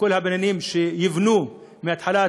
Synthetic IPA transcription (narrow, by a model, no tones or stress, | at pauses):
kʊlːhabananiːmʃejɪvnuː | mɪat̪ħalaː